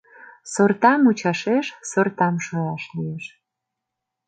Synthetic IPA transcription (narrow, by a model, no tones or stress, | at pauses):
sort̪ɑmut͡ɕɑʃeʃsort̪ɑmʃolɑʃlijeʃ